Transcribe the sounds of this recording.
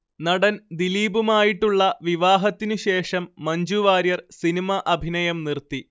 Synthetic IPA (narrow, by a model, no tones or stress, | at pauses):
nɐɽɐnd̪iliːbumaːjiʈːuɭːɐʋiʋaːɦɐt̪ːinuɕe̞ːʂɐmːɐɲd͡ʑuʋaːɾjɐrsinimɐʔɐbʱinɐjɐmnirt̪ːi